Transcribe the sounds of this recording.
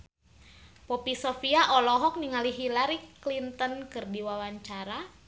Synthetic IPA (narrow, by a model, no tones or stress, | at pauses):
pɔpisofiaʔɔlɔɦɔk̚niŋaliɦilaɾiklint̪ənkɨrdiwawaɲt͡ʃaɾa